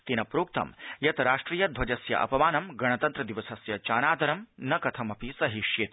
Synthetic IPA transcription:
t̪inɐpɾoːk̚t̪ɐ̰mjɐt̪ɐɾaːʂʈɾiːjɐd̪ʱʋɐd͡ʒɐsjɐ̰ʔɐ̰pɐmaːnɐmɡɐɽ̃ɐt̪ɐnt̪ɾɐd̪iʋɐsɐsjɐt͡ʃaːnaːd̪ɐɾɐmnɐkɐt̪ʰɐmɐpisɐɦiʃjet̪

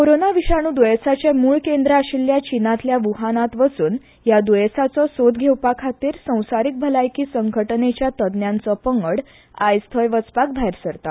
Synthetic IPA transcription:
koɾonaʋiɕaɽ̃uːd̪ujəsat͡ɕemuːɭkend̪ɾaɕiljat͡ɕinãt̪ljaʋuɦanat̪ʋəsuːn | jad̪ujəsat͡sɔsod̪ɡʱewpakʰat̪iːɾsə̃w̃saɾik̚bʱəlajkiːsəŋɡʱəʈnet͡ɕjat̪əd̪njant͡sɔpəŋɡəɽ | ajst̪ʰəjʋət͡spak̚bʱajɾsəɾt̪a

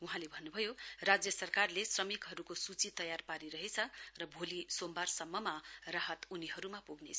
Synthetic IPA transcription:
uɦãlebʱʌnːubʱʌjorad͡zjʌsʌrkarlesrʌmikɦʌɾukosut͡sit̪ʌjarpaɾiɾʌɦet͡sʰʌrʌbʱolisombarsʌmːʌmaraɦʌt̪uniɦʌɾumapuɡnḛt͡sʰ

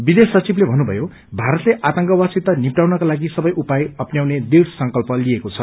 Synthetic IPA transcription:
bid̪esʌt͡siblebʱʌnːubʱʌ̰jo | bʱaɾʌt̪leʔat̪ʌŋkʌwasit̪ːʌnipʈawnʌkalaɡisʌbʌjʔupajʌpnjawned̪iɽsʌŋkʌlpʌliekot͡sʰʌ̰

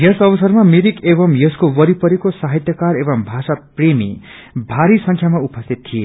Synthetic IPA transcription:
jʌsʌbʌsʌrmameɾikebʌmjʌskowʌɾipʌɾekosaɦit̪jʌkaɾebʌmbʱasapremḭ | bʱaɾisʌŋkʰjamaupʌst̪ʰit̪̚t̪ʰːije

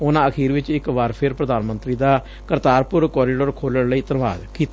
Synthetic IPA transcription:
ʊnãːəkʰiːɾʋɪt͡ʃɪkʋaɾpʰɪɾpɾəd̪aːnmə̃nt̪ɾiːd̪aː | kəɾt̪aːɾpʊɾkɔːɾɪɖəɾkʰoːləɽləiːt̪ənʋa̰ːd̪kiːt̪

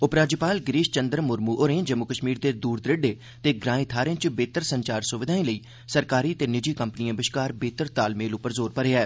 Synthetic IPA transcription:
ʊpɾaːd͡ʒəpaːlɡɾiːʃt͡ʃənd̪ɾmʊɾmuːʔoɾẽːd͡ʒəmːʊkəʃmiːɾd̪eːd̪uːɾd̪ɾɪɖeː | t̪eːɡɾãːĩt̪ʰaːɾẽːt͡ʃbeːt̪əɾsəɲt͡ʃaːɾsʊʋɪd̪ʱaːĩːləiː | səɾkaːɾiːt̪eːnɪd͡ʒiːkəmpnijãːbɪʃkaːɾbeːt̪əɾt̪aːlmeːlʊpəɾzoːɾpəɾeːɛː

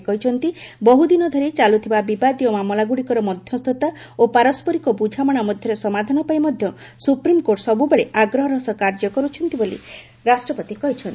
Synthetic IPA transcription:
kɔɦit͡ʃʰɔnt̪ibɔɦud̪inɔd̪ʱɔɾet͡ʃalut̪ʰibabibad̪ijɔmamɔlaɡuɽikɔɾɔmɔd̪ʱjɔst̪ʰɔt̪a | opaɾɔspɔɾikɔbud͡ʒʱamaɽ̃amɔd̪ʱjɔɾesɔmad̪ʱanɔpajmɔd̪ʱjɔ | supɾimkoɾʈsɔbubeɭeʔaɡɾɔɦɔɾɔsɔkaɾd͡ʒɔkɔɾut͡ʃʰɔnt̪ibolḭ | ɾasʈɾɔpɔt̪ikɔɦit͡ʃʰɔnt̪i

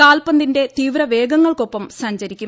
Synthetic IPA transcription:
aːlpɐnd̪inde̞t̪iːʋɾɐʋe̞ːɡɐŋːɐɭkopːɐmsɐɲd͡ʑɐɾikʲːu

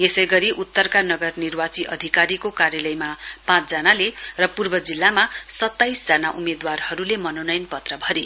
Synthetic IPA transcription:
jesʌjɡʌɾiʔut̪ːʌrkanʌɡʌrnirwat͡siʔʌ̰d̪ʱikaɾikokaɾjʌlʌjmapãt͡sd͡zʌnalerʌpurbʌd͡zilːamasʌt̪ːajsd͡zanaʔumed̪warhʌɾulemʌnonʌjnpʌt̪rʌbʱʌɾe

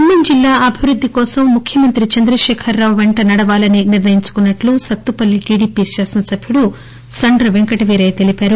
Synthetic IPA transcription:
umːind͡ʒilːaːʔɐbʱiʋɾud̪ʱːikɔːsɐmːukʰjɐmɐnt̪ɾit͡ʃɐnd̪ɾɐʃɛːkʰɐɾːaːʋwʋeɳʈɐnɐɽɐʋaːlɐniniɾʋɐjiɲt͡ʃu̥kunːɐʈlusɐt̪ːupɐlːiʈiːɽiːpiːʃaːsɐnsɐbʱjuɽu | sɐɳɖɾɐʋeŋkɐʈɐʋiːɾɐjt̪e̞lipaːɾu

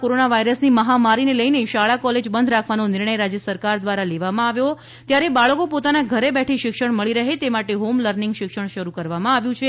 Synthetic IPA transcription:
koɾonaʋaiɾəsniməɦamaɾineləjneʃaɭakɔled͡ʒbənd̪ʱɾakʰʋanonɪɾɳəjɾad͡ʒjəsəɾkaɾd̪ʋaɾaleʋamãaʋjo | t̪jaɾebaɭəkopot̪anaɡʱəɾebɛʈʰiʃɪkʃəɽ̃məɭiɾəɦet̪emaʈeɦomləɾnɪ̃ŋɡʃɪkʃəɳ̃ʃəɾukəɾʋamãaʋjũt͡ʃʰe

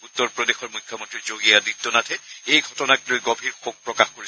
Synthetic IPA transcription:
ut̪ːɔɹpɹɔdexɔɹmujkʰːjɔmɔntɹiɹzoɡijaditːɔnatʰɛejɡʱɔtɔnak̚lojɡobʱiɹxok̚pɹɔkaxkoɹis

